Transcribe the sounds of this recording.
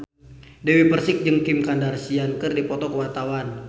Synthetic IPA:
dɛwipərsɪk̚d͡ʒɨŋkimkandarsiankərdipɔt̪ɔkəwat̪awan

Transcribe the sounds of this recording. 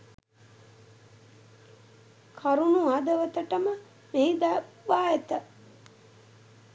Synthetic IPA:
kʰaɾunuad̪əʋət̪əʈəmə | meid̪aʋaːet̪ə

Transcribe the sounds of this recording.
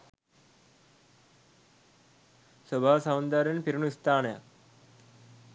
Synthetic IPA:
sobʱaːsaːnd̪aɾenpiɾuɳuist̪ʰaːnɐja̰

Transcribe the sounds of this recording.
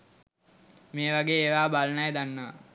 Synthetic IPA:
meːʋaɡeːʋaːbalənɐjd̪anːəʋa̰

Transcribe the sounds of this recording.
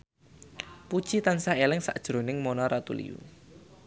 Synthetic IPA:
pud̥ʒ̥it̪ansaelɪŋsa̰ʔd̥ʒ̥ɾo̤nɪŋmonɔɾat̪ṵlḭjṵ

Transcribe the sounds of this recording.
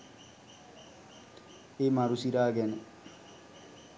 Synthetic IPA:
emaɾusiɾaːɡɛne

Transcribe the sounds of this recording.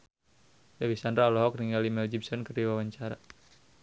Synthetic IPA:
dawisandɾalɔɦɔk̚niŋɡalimɛld͡ʒib̚sɔnkərdiwawaɲt͡ʃaɾa

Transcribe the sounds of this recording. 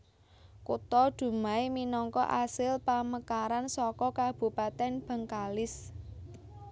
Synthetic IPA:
kut̪ɔd̪̥ṳmaeminɔŋkɔ̰ʔasɪlpaməkaɾansɔkɔkab̥ṳpat̪ɛnb̥ə̤ŋkalɪs

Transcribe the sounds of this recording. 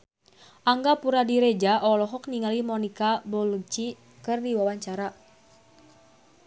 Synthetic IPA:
ʔaŋɡapuɾadiɾed͡ʒaʔɔlɔɦɔk̚niŋalimɔnikabɔlut͡ʃi | kɨrdiwawaɲt͡ʃaɾa

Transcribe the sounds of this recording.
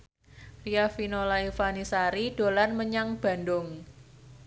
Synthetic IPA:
riafinolaifanisaɾid̥olanməɲaŋb̥a̤ndʊŋ

